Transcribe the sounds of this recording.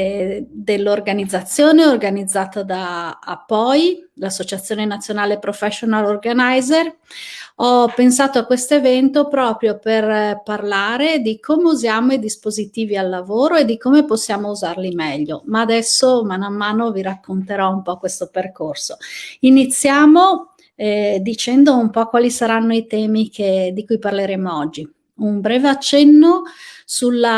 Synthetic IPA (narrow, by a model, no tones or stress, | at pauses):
d̪elːorɡanid̪zːat̪sːjoːneorɡanid̪zːaːt̪od̪a̰ːpːɔjlasːot͡ʃat̪sːjoːnenat̪sːjonaːlepɾofɛʃonalorɡanajzer | ɔpensaːt̪oakwest̪oevɛnt̪opɾɔːpɾjoperparlaːɾed̪ikʰoːmeuzjaːmoid̪ispozit̪iːvialːavoːɾoed̪ikoːmeposːjaːmouzarlimɛʎːomaːd̪ɛsːomanamːaːnoviɾakːont̪eɾɔumpɔkwest̪operkorsoinit̪sːjaːmo | ɛd̪it͡ʃɛnd̪oumpɔkwaːlisaɾanːoit̪ɛːmikʰed̪ikujparleɾeːmoɔd͡ʒːi | umbɾɛːveat͡ʃːɛnːo | sulːa